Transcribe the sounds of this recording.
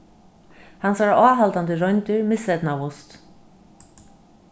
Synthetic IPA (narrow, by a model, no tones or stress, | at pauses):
hansvaɾaːɦalt̪ant̪ɪɾɔjnt̪ʏɹmɪsɛt̪navʊst̪